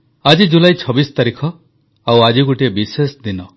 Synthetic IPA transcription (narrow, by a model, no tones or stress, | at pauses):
ad͡ʒid͡ʒulajt͡ʃʰɔbist̪aɾikʰɔ | awad͡ʒiɡuʈiebisesd̪inɔ